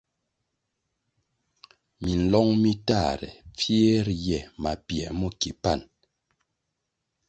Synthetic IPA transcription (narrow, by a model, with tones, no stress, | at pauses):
mi˨n̩˨lɔ˦ŋmi˦ta˦˨ɾɛ̰˨p͡fje˦ɾjɛ˨ma˨pjɛ˨mu˦ki˨pa˦˨n